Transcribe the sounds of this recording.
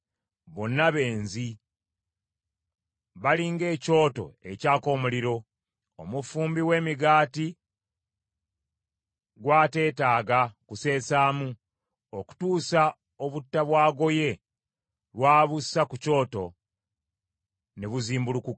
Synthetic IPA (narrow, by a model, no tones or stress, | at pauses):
βo̞nːaβe̞ːnzi | βaliːŋɡe̞ːco̞ːto̞̰e̞̰caːko̞ːmuliɾo̞ | omufuːmbiwe̞ːmiɡaːti | ɡwaːte̞ːtaːɡakuse̞ːsaːmu | oku̥tuːsa | o̞βutːaβwaːɡo̞je̞ | lwaːβusakuco̞ːto̞ | neβuziːmbulukuk